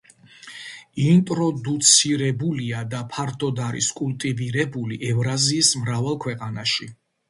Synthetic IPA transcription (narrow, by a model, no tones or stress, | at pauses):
int̪ʼɾɔd̪ut̪sʰiɾɛbuliad̪apʰaɾt̪ʰʼɔd̪aɾḭskʼulˠt̪ʼiviɾɛbuliʔɛvɾaziːsmɾavɛlˠkʰwɛqʼanaʃi